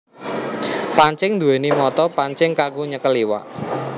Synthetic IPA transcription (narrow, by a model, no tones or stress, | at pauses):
paɲt͡ʃɪŋnd̪ṳwɛnimɔt̪ɔpaɲt͡ʃɪŋkaɡuɲəkəliwa̰ʔ